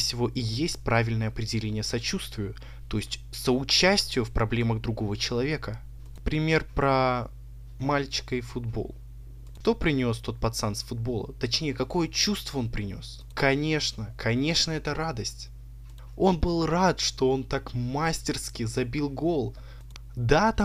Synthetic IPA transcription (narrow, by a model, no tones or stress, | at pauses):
sʲɪvo̞ʔijesʲt̚ʲpɾavʲɪlʲnəjəɐpɾʲɪdʲɪlʲenʲɪjəsɐt͡ɕust̪vʲɪjʊ | t̪o̞jɪsʲtʲsəʊt͡ɕæsʲtʲɪjʊfpɾʔɐblʲe̞məɣd̪ɾʊɡo̞vət͡ɕɪlˠɐvʲe̞kə | pɾʲɪmʲe̞rpɾə | malʲt͡ɕɪ̥kəɪfʊd̪bo̞̰lˠ | ʂt̪o̞pɾʲɪnʲo̞st̪o̞t̪̚pɐt̪sansfʊd̪̚bo̞lˠə̰t̪ɐt͡ɕnʲejəkɐko̞jət͡ɕust̪vəo̞npɾʲɪnʲo̞̰s | kɐnʲe̞ʂnəkʰɐnʲe̞ʂnəɛt̪əɾad̪əsʲtʲ | o̞nbɨlˠrat̪ʂt̪o̞o̞nt̪akmasʲtʲɪrskʲɪzɐbʲilˠɡo̞lˠ | d̪at̪a